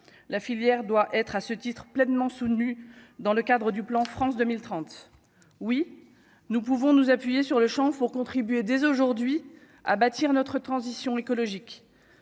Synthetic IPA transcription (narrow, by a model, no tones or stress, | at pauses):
lafiljɛʁd̪waʔɛt̪χasət̪it̪χplɛnmɑ̃sut̪nyd̪ɑ̃ləkad̪ʁəd̪yplɑ̃fχɑ̃sd̪əmilt̪χɑ̃t̪ | wi | nup̬uvɔ̃nuzapɥijesyʁləʃɑ̃puʁkɔ̃t̪χibɥed̪ezoʒuʁd̪ɥi | a̰bat̪iʁnɔt̪χət̪χɑ̃zisjɔ̃ekɔlɔʒik